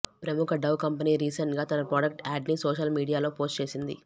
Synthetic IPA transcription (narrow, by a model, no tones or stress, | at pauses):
pɾɐmukʰɐɖɐwkɐmpɐniːɾiːsɐɳʈɡaːt̪ɐnɐpɾaːɖɐk̚ʈaːɖniːsoːʃɐlmiːɽijaːloːpo̞ːsʈt͡ʃe̞ːsind̪ḭ